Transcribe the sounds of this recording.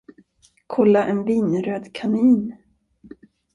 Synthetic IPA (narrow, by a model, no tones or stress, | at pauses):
kʰɔlːaʔɛnviːnɾøːd̪kʰaniːn